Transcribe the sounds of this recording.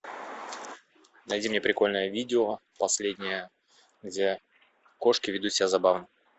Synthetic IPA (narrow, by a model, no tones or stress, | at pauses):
nɐjdʲimnʲepɾʲɪko̞lʲnəjəvʲidʲɪo | pɐsʲlʲedʲnʲɪjə | ɡdʲe | ko̞ʂkʲɪvʲɪd̪usʲɪbʲazɐbavnə